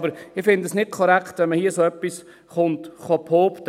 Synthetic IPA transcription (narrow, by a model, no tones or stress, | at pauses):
bəɾɪfɪndəsnɪt̚kʰɔɾækχt̪ʋɛnməhiːəsoːœpːis | χʊntχɔpʰhoːpt